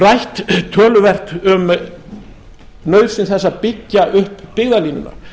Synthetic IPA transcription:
rajht̪t̪ʰːœːlʏvɛr̥t̪ʏm | nœːɥvsɪnsθɛsːapɪcːaʔʏhpːɪɣðaliːnʏ̰na̰

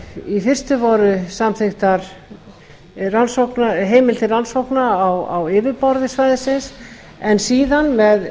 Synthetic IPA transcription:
ifɪr̥st̪ʏvɔɾʏsamθext̪aɾ̥ | ransowknaɦeːjmɪlt̪ɪransowknaawa̰wɪːvɪpɔɾðɪsvajðɪsɪns | ɛnsiːðanmɛð

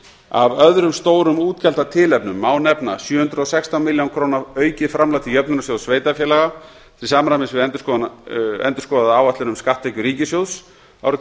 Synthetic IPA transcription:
a̰vœðɾʏmst̪oːwɾʏmuːt̪cɛl̥t̪at̪ʰɪːlɛpnʏmːaːwnɛpnasjœːhʏnt̪ɾʏɔsɛkst̪awmɪljawnkʰɾoːwnaœːɥcɪfɾamlat̪ʰijœp̚nʏnas̬jowðsveːjt̪afjɛːlaɣa | θɾɪlsaːmɾajmɪsvɪðɛnt̪ʏ̥skɔɛ̰nt̪ʏ̥ɾ̥skɔðaðaaːwvat̪ɪnʏmskaht̪ːehcʏɾiːcɪsjowðs | a̰wɾʏ

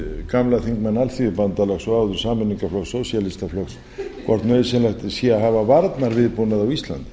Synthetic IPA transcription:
kamlaθiŋkmanːalθiðʏpant̪alɛɣsɔawðʏ̥saːmʏniŋkaflɔksosjalɪst̪aflɔks | kʰvɔɾt̪nœɥðʏsɛlaxt̪sjɛaɦavavaɾt̪naɾvɪðpunaðawist̪la̰nt̪ɪ̥

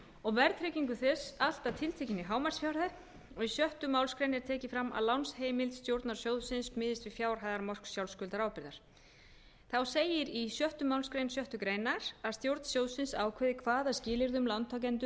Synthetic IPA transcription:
ɔɣvɛɾt̪ʰɾɛciŋkʏθɛsal̥t̪at̪ʰɪlt̪ʰɛhcɪnːɪɦaːwmaɾ̥sfjawɾða | ɔɣisjœht̪ʏmawlskɾejnɛɾt̪ʰɛːcɪfɾamːa̰ðlawnsheːjmɪlt̪st̪jowɾt̪naɾ̥sjoːwðsɪnsmɪːðɪst̪vɪ̥fjaːwɾ̥ɦajðaɾmɔr̥ksjawlskʏlt̪aɾaːwpɪɾðaɾ̥ | θawseːjɪɾisjœht̪ʏmawlskɾejnsjœht̪ʏkɾeːjnaɾaðst̪jowɾt̪n̥sjoːwðsɪnsaːwkʰvɛːðɪkʰvaːðascɪːlɪɾðʏmlant̪ʰac̬ɛnt̪ʏ

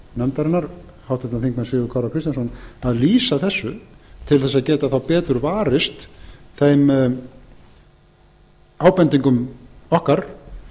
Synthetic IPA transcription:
nɛmt̪aɾɪnːaɾ̥ | hawt̪at̪anθiŋk̚mansɪɣʏkʰaɾawkɾɪst̪jansɔnaðliːsaθɛsːʏt̪ʰɪlθɛs̬ːaðcɛːt̪aθawpɛːt̪ʏɾvaːɾɪst̪θejm | aːwpɛnt̪iŋkʏmɔhkaɾ̥

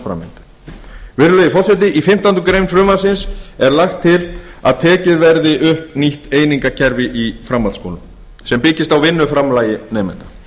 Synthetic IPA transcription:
fɾa̰mːɪ̰nt̪ḁ | vɪɾʏlœjðɪfɔɾ̥sɛt̪̬ɪʔifɪm̥t̪ant̪ʏkɾejmfɾʏːmaðsɪnsɛɾlaxt̪ʰːɪla̰ðt̪ʰɛːcɪðvɛɾðɪʔʏhpniht̪eːjniŋkacʰɛɾvɪʔifɾamːalsko̰ːwlʏm | sɛmpɪcɪst̪awvɪnːʏfɾamlaːjɪnɛːmɛ̰nt̪ḁ

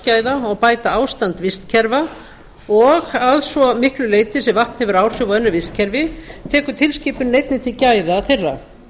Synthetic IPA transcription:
caːjðaɔɣpaːjt̪aaːwst̪ant̪vɪst̪cʰɛɾva | ɔɣaðsvɔmɪhklʏleːjt̪ɪsɛmvaht̪n̥hɛvʏɾaːwr̥ʏvaɛnːʏɾvɪst̪cʰɛɾvɪt̪ʰɛːkʏt̪ʰɪlsciːpʏnːejt̪nɪt̪ʰɪcaːjðaθerːa

